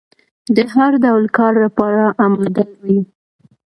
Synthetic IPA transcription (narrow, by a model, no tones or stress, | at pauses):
d̪əɦaɾd̪awlkɑɾlapɑɾaʔamad̪alwi